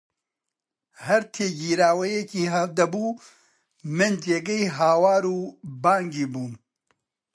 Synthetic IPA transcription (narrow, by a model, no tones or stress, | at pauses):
hɐɾt̪ʰeːɡiːɾaːwɐjeciːɦɐd̪ɐbuː | mɨnd͡ʒeɡɐjɦaːwaːɾuːbaːŋɡiːbuːn